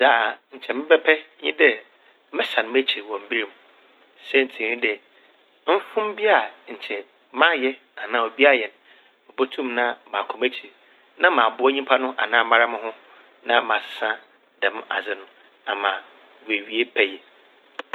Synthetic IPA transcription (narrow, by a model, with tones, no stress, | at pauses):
d͡za˦˨ɲ̩˨t͡ɕʰɛ˨mɪ̃˦bɛ˦pʰɛ˦ɲḭ̃˦dɛ˦ | mɪ̃˦sa˨nʊ̃˨m˦æ˦t͡ɕʰi˨wɔ̃˨m̩˨bi˦ɾi˨m˨ | sɛ˦n̩˨tʰĩ˨˦ĩ˦dɛ˨ | m̩˦fʊ̃˦m˦bi˦a˨ɲ̩˨t͡ɕʰɛ˨ | mã˦jɛ˦ | a˨nãː˨o˨bi˦a˦˨jɛ˨ñ˨ | mɪ̃˨bo˦tʰũ˦mnã˦mã˨kʰʊ̃˨mæ˦t͡ɕʰi˨ | nã˦mãː˨bʊ˦ɔ˦ɲĩ˦pʰa˦nʊ̃˦ʔa̰˨nãː˦ma˦ɾa˦mɪ̃˦ɦʊ̃˦ | nã̰˦mã˨sɪ̥˦sã˦ | dɛ̃˨m˦a̰˨d͡zɪ˦nʊ̃˦ | a˨mãː˨ | we˨ɥi˨˦e˦pʰæ˦jɛ˨